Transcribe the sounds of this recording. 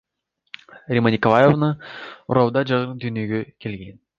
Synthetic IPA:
rʲemonʲikolˠajovnəṵɾɑwˠd̪ɑd͡ʒɑʁəd̪ʏnʲeɡʲekʲʰelɡʲe̞n

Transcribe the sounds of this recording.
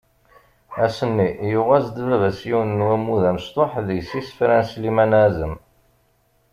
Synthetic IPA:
æsənːijʊʁæzd̪vævæsjiwnːwæmːuðæməst̪ˤoħðəʝsisfɾænslimænæzəm

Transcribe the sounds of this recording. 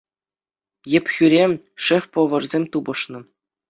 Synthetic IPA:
jɘ̆pʲxʲyɾʲemʲ | ʂɘ̆fʲpŏʋɤ̆rzʲemʲt̪ubɤ̆ʂnɤ̆

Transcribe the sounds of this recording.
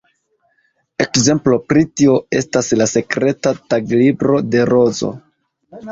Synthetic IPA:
e̞kze̞mplo̞pɾitio̞e̞staslase̞kɾe̞tataɡlibɾo̞de̞ɾo̞zo̞̰

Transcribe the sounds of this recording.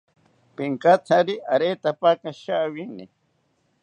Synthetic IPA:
piŋkat̪ʰaɾiʔaɾet̪apakaʃawinḭ

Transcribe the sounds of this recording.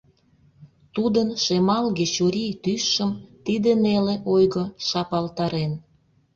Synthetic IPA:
t̪ud̪ənʃemɑlɣet͡ɕuɾijt̪yʃːəmt̪id̪eneleʔojɣəʃɑpɑlt̪ɑɾen

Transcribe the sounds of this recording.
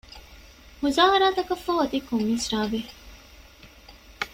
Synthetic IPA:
muzaːɦɐɾaːt̪ɐkɐfɐɦɐt̪ikomːiːsɾaːʋe

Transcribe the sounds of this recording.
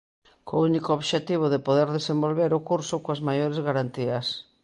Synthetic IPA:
kounikooβʃet̪iβ̞ʊðepoðeɾðesembolβeɾʊkuɾsʊkoazmajoɾezɣaɾant̪iɐs

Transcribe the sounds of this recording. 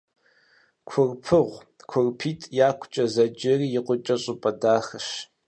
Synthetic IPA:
kʷʰʊrpʰɨʁʷ | kʷʰʊrpʰiːtʼjaːkʷʰʼt͡ʃʼɐzɐd͡ʒɪriːjɪqʷʊt͡ʃʼɐɕʼʊpʼɐdaːxɐʃ

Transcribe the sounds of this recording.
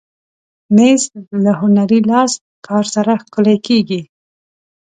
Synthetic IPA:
mezlaɦʊnaɾilɑs | kʰɑɾsaɾaxkʊlajkeɡi

